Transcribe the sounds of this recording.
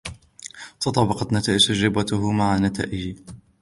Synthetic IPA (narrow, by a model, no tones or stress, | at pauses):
t̪ɑt̪ˤɑbɑqɑt̪nat̪aːʔɪd͡ʒ̪ad͡ʒɾɪbat̪ʊɦʊmaʕanat̪a̰ːʔɪd͡ʒi